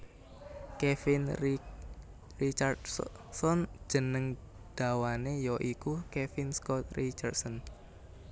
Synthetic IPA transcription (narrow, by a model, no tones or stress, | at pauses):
kefin | rit͡ʃard | sɔn̥ʒ̥ə̤nəŋ | d̪̥a̤wanejɔʔikukɛfinskɔt̪̚rit͡ʃə̰rsɔn